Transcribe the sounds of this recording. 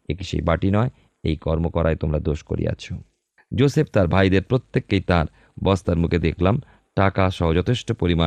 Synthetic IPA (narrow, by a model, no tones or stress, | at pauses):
ekiʃḛjbaʈinɔe | ḛjkɔɾmokɔɾʔaet̪omɾad̪oʃko̰ɾḭa̰t͡ɕʰo | d͡ʑosep̚t̪aɾbʱajd̪eɾpɾot̪ːekːejt̪aɾ | bɔst̪aɾmukʰed̪ekʰlam | ʈakaʃɔɦod͡ʑɔt̪ʰeʃʈopoɾima